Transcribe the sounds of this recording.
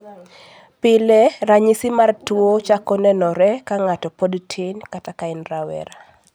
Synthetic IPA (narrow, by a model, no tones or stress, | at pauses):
pɪlɛraɲisɪmartwot͡ʃakɔnɛnɔɾɛkaŋatɔpodtʰɪnkatakaɪnrawɛ̰ɾa